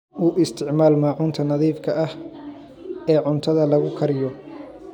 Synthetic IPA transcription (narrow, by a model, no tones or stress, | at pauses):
uːʔɪst̪ʰɪʕmaːlmaːʕʊnt̪ʰɐnɐðiːfkʰɐʔɐh | ɛːʕʊnt̪ʰɐðɐlɐɣʊkʰɐɾɪjɔ